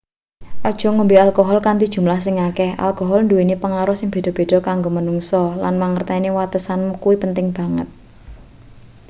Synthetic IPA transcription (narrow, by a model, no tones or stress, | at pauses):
ʔɔd̥ʒ̥ɔ̤ŋumbialkɔɦɔlkant̪id̥ʒ̥ṳmlahsɪŋakɛhʔa̰lkɔɦɔlnduwenipəŋaɾɔsɪŋb̥e̤d̥ɔ̤b̥e̤d̥ɔ̤kaŋɡomənuŋsɔla̰nmaŋərt̪ainiwat̪əsankuwipənt̪ɪŋb̥a̤ŋə̰t̪̚